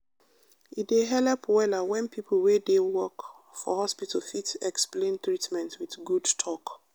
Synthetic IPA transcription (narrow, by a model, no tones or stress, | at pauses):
itdeɦɛlɛpwɛlawɛ̃npʰipʰəl̩wedewɔk | fɔhɔspitʰəl̩fitɛksplẽnt̪ɹitmɛ̃ntwiθɡudtʰɔk